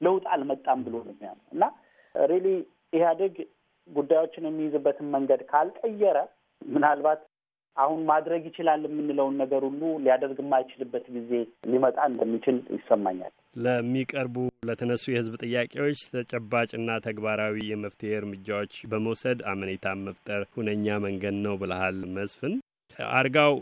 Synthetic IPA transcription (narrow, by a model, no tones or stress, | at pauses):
ləwt̪ʼalmət̪ʼːambɨlo̞nɛmːija̰nəwɨ̰nːa | ɾeli | ɪhad̪əɡ | ɡud̪ːajwo̞t͡ʃːɪnjɛmːijɪzɨbːət̪ʰɨnməŋɡəd̪kʰalkʼəjɛɾə | mɨnalbat̪ | ʔahunmad̪ɾəɡjɪt͡ʃɪlalːjɛmːɨnːɨləwnːəɡəɾulːuliad̪əɾɡɨmːajt͡ʃɪlɨbːət̪ɡize̞limət̪ʼaɨnd̪əmːit͡ʃʰɪljɪ̰sːəmːa̰ɲːa̰l | ləmːikʼəɾbulət̪ʰənəsːujɛhɨzbt̪ʼɨjːakʼewo̞t͡ʃːt̪ʰət͡ʃʼɛbːat͡ʃʼɨnːat̪ʰəɡbaɾawijɛməft̪ʰəheɨɾmɨd͡ʒːawo̞t͡ʃːbəməwsəd̪amənet̪ʰaməft̪ʼəɾhunəɲːaməŋɡəd̪nəwbɨləhalməsfɨn̰ | ʔa̰ɾɡaw